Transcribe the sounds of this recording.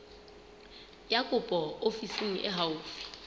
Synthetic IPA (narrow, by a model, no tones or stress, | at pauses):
jakʼʊpʼɔofisiŋ̩ʔɪ̰ɦaufi̥